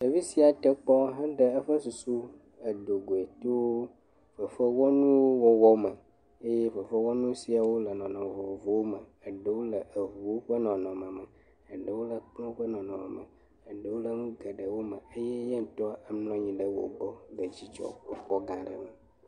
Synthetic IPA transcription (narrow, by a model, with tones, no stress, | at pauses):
ə˨vi˦si˨˦a˨t̪ə˦k͡pɔ˦ɦə˦ɖə˨ə˦ɸə˦su˨su˦ | ə˨ɖ̪o˨ɡo˨e˨t̪o˦ | ɸə˨ɸə˦wɔ˦nũ˦wo˦wɔ˦wɔ˦mə˨ | e˦je˦ɸə˨ɸə˦wɔ˦nũ˦si˨a˨wo˦lə˨nɔ̃˨nɔ̃˨vo˨o˨vo˨wo˦mə˨ə˨ɖə˦wo˦lə˨ʔə˨ɦu˨wo˦ɸə˦nɔ̃˨nɔ̃˨mə̃˨mə˨ | ə˨ɖə˨wo˦lə˨k͡pnɔ̃˦ɸə˦nɔ̃˨nɔ̃˨mə̰˨mə̰˨ | ə˨ɖə˨wo˦lə˨ŋũ˦ɡə˨ɖə˨wo˦mə̰˨ə˦je˦ɲɛ˦ŋ̩˨t̪ɔ˦a˦ə˦mlɔ̃˦ɲĩ˨ɖə˨wo̰˨bɔ˦ɡə˨d͡ʑi˦t͡ʃɔ̰˨ə˦k͡pɔ˦ɡã˨ɖə̰˨mə˨